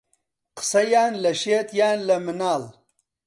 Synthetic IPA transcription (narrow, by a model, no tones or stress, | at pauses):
qə̥sɐjaːnlɐʃeːt̪jaːnlɐmɪnaːl